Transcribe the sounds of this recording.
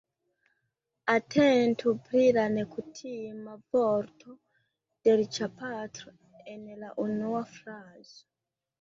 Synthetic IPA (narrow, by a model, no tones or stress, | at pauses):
atʰentupɾiɾanekutʰimavoɾtʰo | d̥eɾit͡ʃapatɾo | enelaʔunuafɾaːze